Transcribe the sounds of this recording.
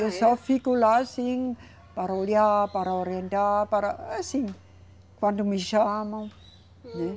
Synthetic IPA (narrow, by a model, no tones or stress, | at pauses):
sofikulasiŋ | paɾoliapaɾaoɾjendapaɾaasiŋ | kwandumiʃama | nɛ